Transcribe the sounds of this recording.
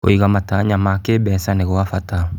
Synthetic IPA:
o̰iɣamataɲamakebɛsaneɣoafata

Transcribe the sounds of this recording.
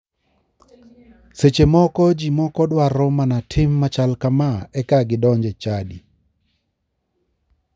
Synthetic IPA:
set͡ʃemɔkɔd͡ʒimɔkɔdwarɔmanatʰɪmːat͡ʃalkamaɛkaɡɪdɔɲd͡ʒet͡ʃadi

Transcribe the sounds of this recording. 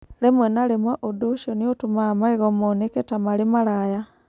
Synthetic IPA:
lemwenalemweʔodoʃoniotumamaiɣomoneketamalimalaja

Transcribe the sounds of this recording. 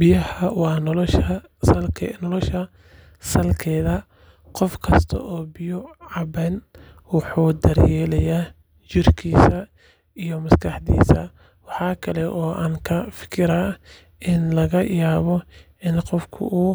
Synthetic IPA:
bjɐhɐwɑːnɔlʃɐ | sɐlkʰnɔlɔʃɐ | sɐlkʰɛːðɐ | qɔfkʰɐst̪ʰɐ̰ʔɔːbɪjʊʕɑbɛːn | wɑħuːd̪ɐɾjɛːlɐjaː | t͡ʃɪrkʰiːsɐ | ijɔmɐskʰɑħd̪ḭːsɐ̰ | wɑħɑːkʰɐlɛʔɔːʔaːŋkʰɐfɪ̥kʰɪɾaː | ʔɪnlɐɣɐjaːβɔ | ɪnqɔfkʰʊ̰ʔuː

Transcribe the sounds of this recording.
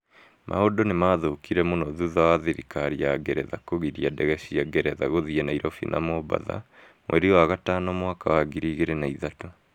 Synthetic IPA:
mʔa̰hodonemaːðoːkiɾɛmonɔðuðawaðeɾḭkaɾiaɡɛɾɛðakoɣiɾiadɛɣɛɕiaɡɛɾɛðaɣoðiɛnaiɾɔfḭnʔa̰mɔba̰ða̰ | mwʔɛ̰ɾiɔwaɣatanɔmwakawaɡiɾiɣeɾɛnaiðato

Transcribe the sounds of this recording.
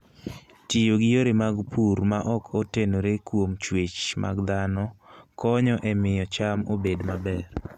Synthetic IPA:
tijoɡɪjoɾemaɡpʰuɾmaʔɔkʰotenoɾekwomt͡ʃwet͡ʃmʔa̰ɡd̪anɔkɔɲɔʔɛmɪjɔt͡ʃamobedmabɛr

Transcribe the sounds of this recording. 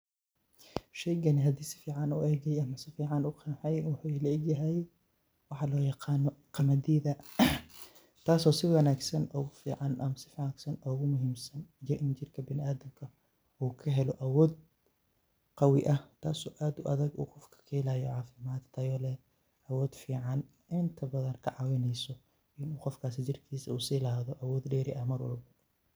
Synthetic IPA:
ʃɛjɡɐnɪɦɐd̪iːsɪ̥fiːʕɑnʊʔɛːɣɛjɐmɐsɪfiːʕɑnʊqʰɑnħɛjwɑħulɛːɡjɐɦɛj | wɑħɑlɔːjɑqɑːnɔqɑmɐd̪ɛːðɐ | t̪ʰaːsɔːsɪwɐnaːɡsɐnɔːɣʊfiːʕɑnʔɐmɐsɪ̥fiːʕaɡsɐnɔːɣʊmʊɦiːmsɐnjɔʔɪnt͡ʃɪrkʰɐbɪnɪaːðɐmkʰɐ | uːkʰɐɦɛlɔʔɐwɔːd̪̚ | qɑwɪʔɐht̪ʰaːsɔːʔaːd̪ʊːʔɐðɐɡṵːqɔfkʰɐ̥kʰɐhɛlaːjɔʕɑːfɪmaːd̪t̪ʰɐjɔːlɛ | ʔɐwɔːd̪̥fiːʕɑn | ʔɪnt̪ʰɐbɐðɐnkʰɐʕɑwɪnɛjsɔ | ʔɪnuːqɔfkʰaːs̬ɪt͡ʃɪrkʰiːsɐuːsiːlaːðɔʔɐwɔːd̪ɖɛːɾɪʔɐhmɐrwɐ̰lbɐ

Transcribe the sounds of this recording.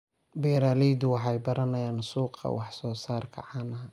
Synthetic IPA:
bɛːɾaːlɛd̪ʊwɑħɑjbɐɾɐnɐjaːnsuːqɑ̰wɑħsɔːsaːrkʰɐ̰ʕɑːnɐ

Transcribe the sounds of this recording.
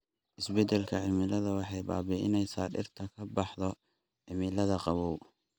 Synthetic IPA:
ʔɪsbɛd̪ɛlkʰɐʕɪmɪlɐðɐwɑħɑjba̰ːbɛɪnɛjsaːɗɪ̰rt̪ʰɐkʰɐbɑħðɔ | ʕɪmɪlɐðɐqɑβɔw

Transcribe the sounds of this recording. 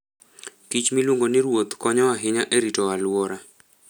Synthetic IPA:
kit͡ʃmilwuŋɡonɪɾwot̪kɔɲɔwaɦɪɲaʔeɾitɔwalwɔɾa

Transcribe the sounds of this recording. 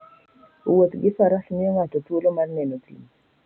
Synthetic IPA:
wot̪ɡɪfaɾaɬmɪoŋatɔtwolomarnɛnokḭm

